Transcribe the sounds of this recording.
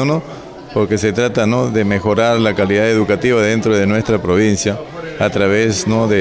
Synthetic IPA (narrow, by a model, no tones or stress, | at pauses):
onos | poɾke̞se̞t̪ɾat̪anoðeme̞xo̞ɾaɾlakaliðaðeðukat̪iβaðent̪ɾoðe̞nwe̞st̪ɾapɾoβ̞insjaːt̪ɾaβesnoðe